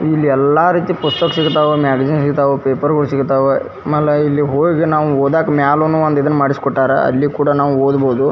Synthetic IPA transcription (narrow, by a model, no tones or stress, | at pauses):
ilːiɛlːaːɾiːt̪ipust̪ɐksiɡt̪aːʋemaːɡɐd͡ʒinsiɡt̪aːʋepeːpɐɾɡɐɭusiɡt̪aːʋe | mɐlːɐilːiɦoːɡiɡenaːʋuoːd̪aːkɐmaːlonuɐnt̪id̪ɐnːmaːɽisi̥kɔʈːaːɾḛɐ̰lːikuːɽɐnaːʋuoːd̪boːd̪u